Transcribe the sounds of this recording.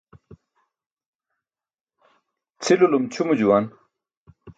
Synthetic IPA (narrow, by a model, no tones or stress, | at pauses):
t͡sʰilulumt͡ɕʰumud͡ʑuwan